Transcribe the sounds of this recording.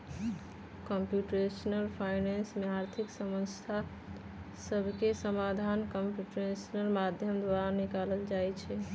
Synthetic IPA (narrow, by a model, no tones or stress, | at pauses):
kəmpjuʈɾesnəlpʰajnensmeaɾt̪ʰiksəməst̪ʰa | səbʱkesəmad̪ʱankəmpjuʈɾesnəlmad̪ʱjəmd̪waɾanikaləld͡ʒajt͡ʃʰɛ